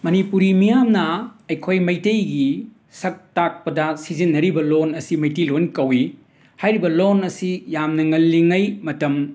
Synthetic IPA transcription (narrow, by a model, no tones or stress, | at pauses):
mɐnipuɾimijamnɐɐjkʰojmɐjtejɡi | sɐk̚tak̚pɐdɐsizinːɐɾibɐlonɐsimɐjtɐjlonkɐwi | hajɾibɐlonɐsijamnɐŋɐlːiŋɐjmɐtɐm